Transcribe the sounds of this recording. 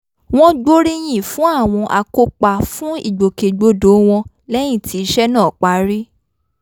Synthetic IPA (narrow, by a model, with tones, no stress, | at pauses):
w̃ɔ̃˦ɡ͡bo˦ɾi˦j̃ĩ˦˨fũ˦a˦˨w̃ɔ̃˧ʔa˧ko˧k͡pa˨fũ˦ḭ˦˨ɡ͡bo˨ke˨ɡ͡bo˨˦do˨˦w̃ɔ̃˧ | lɛ˦j̃ĩ˦˨ti˨˦˧ʃɛ˦nãː˦˨k͡pa˨˦ɾi˦